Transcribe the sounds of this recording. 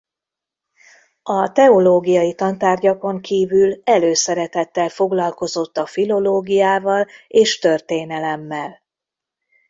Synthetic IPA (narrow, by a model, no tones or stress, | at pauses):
ɒt̪ɛo̞loːɡijɒjit̪ɒnt̪aːrɟɒko̞ŋkʰiːvylɛløːsɛɾɛt̪ɛt̪ːɛlfo̞ɡlɒlko̞zo̞t̪ːɒfilo̞loːɡijaːvɒleːʃt̪ø̞rt̪eːnɛlɛmːɛl